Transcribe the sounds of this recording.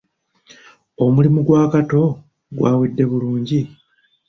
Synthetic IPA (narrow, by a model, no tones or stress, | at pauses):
o̞mulimuɡwaːkato̞ | ɡwa̰ːwidːe̞βuluːɲɟi